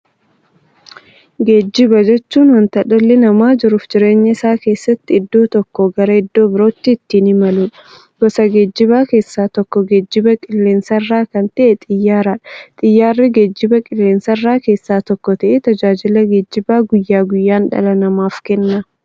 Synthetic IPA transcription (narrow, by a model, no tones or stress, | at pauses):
ɡeːd͡ʒːɪbɐd͡ʒɛt͡ʃːuːnwɐnt̪ɐᶑɐlːɪnɐmaːd͡ʒɪɾʊfd͡ʒɪɾe̞ːɲːɐɪsaːke̞ːsːɐt̪ːɪɪd̪ːoːt̪ɔkːɔɡɐɾɐɪd̪ːo̞ːbɪɾo̞ːt̪ːɪːt̪ːiːnɪmɐluːᶑɐ̥ | ɡ̥ɔsɐɡeːd͡ʒːɪbaːke̞ːsːaːt̪ɔkːɔɡeːd͡ʒːɪbɐkʼɪlːeːnsɐɪrːaːkɐnt̪ɐʔɛt̪ʼɪjːaːɾaᶑɐt̪ʼɪjːaːrːɪɡed͡ʒːɪbɐkʼɪlːeːnsɐrːaːke̞ːsːaːt̪ɔkːɔt̪ɐʔet̪ɐd͡ʒaːd͡ʒɪlɐɡeːd͡ʒːɪbaːɡʊjːaːɡʊjːaːnᶑɐ̰lɐnɐmaːfkɛnːɐ